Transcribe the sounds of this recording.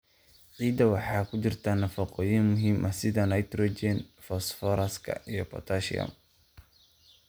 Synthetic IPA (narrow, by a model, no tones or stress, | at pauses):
ʕiːd̪ɐwɑħɑːkʰʊt͡ʃɪrt̪ʰaːnɐfɐqɔːjɪnmʊɦiːmʔɐsɪðɐnɐjt̪ɾɔd͡ʒɛnfɔsfɔɾɐskʰɐ̰ijɔpɔ̰t̪ʰaʃḭɐ̰m